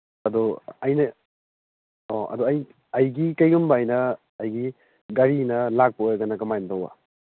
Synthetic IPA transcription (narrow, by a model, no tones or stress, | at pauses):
ɐdɔɐjnɐ | oɐ̰dɔɐj | ɐjɡikɐjɡumbajnɐː | jɡi | ɡaɾinɐlak̚pɐojɐɡɐnɐkɐmajntowa̰